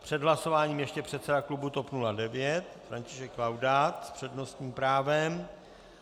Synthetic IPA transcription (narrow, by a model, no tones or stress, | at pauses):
pr̥ɛd̪ɦlaso̞vaːɲiːmjɛʃcɛpr̝̥ɛt̪sɛdaklubut̪o̞pnuladɛvjɛt̪fɾaɲcɪʃɛkːlawdaːt̪spr̝̥ɛdno̞st̪ɲiːmpɾaːvɛm